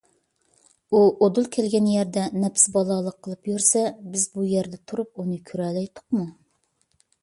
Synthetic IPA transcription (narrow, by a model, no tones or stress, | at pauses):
uʔod̪ulˠkʲʰɛlɡʲɛnjɛɾd̪ɛnɛpsɪbɑlˠɑlˠəqʰːəlˠɨpjyɾsɛbɪzbujɛɾd̪ɛt̪ʰuɾup̚unɨkʲʰyɾɛlɛjt̪ʰʊ̥qmu